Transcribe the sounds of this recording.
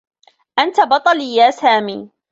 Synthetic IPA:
ʔant̪abɑt̪ˤɑliːjaːsaːmiː

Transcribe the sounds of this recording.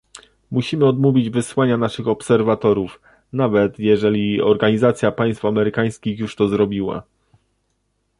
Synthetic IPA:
muɕimɘɔd̪muvʲid͡ʑvɘswaɲanaʂɘxɔpsɛɾvat̪ɔɾuf | navɛt̪jɛʐɛlʲiɔɾɡaɲizat̪sʲjapaj̃st̪famɛɾɘkaj̃skʲixjuʂt̪ɔzɾɔbʲiwa̰

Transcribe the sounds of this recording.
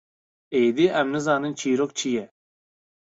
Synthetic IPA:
eːd̪iɛmnɨzaːnɨnt͡ʃʰiːɾok̚t͡ʃʰijɛ

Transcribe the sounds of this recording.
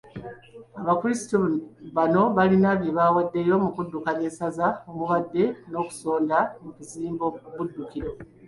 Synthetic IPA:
aβakuɾisi̥toβano̞βalinaβje̞βawadːe̞jo̞mukudːukane̞sazaomuβadːe̞no̞ːku̥so̞ːndamukuziːmboβudːukiɾo̞

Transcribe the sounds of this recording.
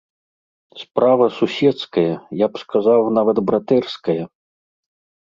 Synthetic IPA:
spɾavɐsusʲɛt̪skɐjɐjapskazawnavɐd̪bɾat̪ɛrskɐjɐ

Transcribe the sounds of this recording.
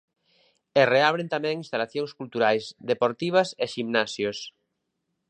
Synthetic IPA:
ereaβ̞ɾẽnt̪amɛ̃ŋinst̪alaθjoŋskult̪uɾajsðepoɾt̪iβ̞aseʃimnasjos

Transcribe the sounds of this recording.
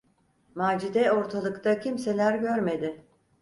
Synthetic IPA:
maːd͡ʒid̪ɛo̞ɾt̪ʰalˠɯkt̪ʰacʰimse̞lʲæɾɟø̞ɾme̞d̪ɪ

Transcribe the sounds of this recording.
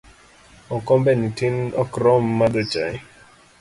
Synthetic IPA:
ɔkɔmbɛnitinɔkɾɔmːad̪ɔt͡ʃaj

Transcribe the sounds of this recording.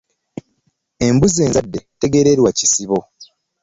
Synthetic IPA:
e̞mbuze̞ːnzadːe̞te̞ɡe̞ɾeɾwacisiβo̞

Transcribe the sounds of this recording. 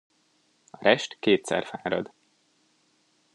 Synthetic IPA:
ɒɾɛʃt̪keːt̪sɛ̰rfaːɾɒ̰d̪

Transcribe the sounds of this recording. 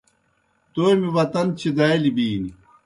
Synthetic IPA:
t̪oːjmiʋɐt̪ɐnt͡ɕʰid̪ɐelibiːni

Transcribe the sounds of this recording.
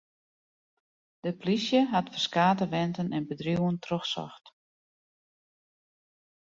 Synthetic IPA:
d̥əplisjəɦatfərskaːtəʋɛntənʔɛnbədrjuwəntroxsɔ̰xt

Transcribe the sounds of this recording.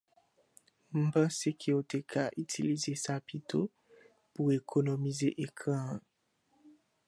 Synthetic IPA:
m̩bãsekʰeotekʰaʔytʰilizesapitʰo | puʁekʰonomizeʔekʁã

